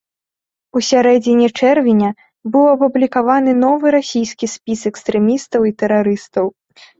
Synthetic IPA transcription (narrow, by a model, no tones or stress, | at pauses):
usʲaɾɛd͡zʲinʲɛt͡ʂɛrvʲinʲɐ | bɨwɐpublʲikavanɨnɔvɨɾasʲijskʲisʲpʲisɛkst̪ɾɛmʲist̪ɐwit̪ɛɾaɾɨst̪ɐw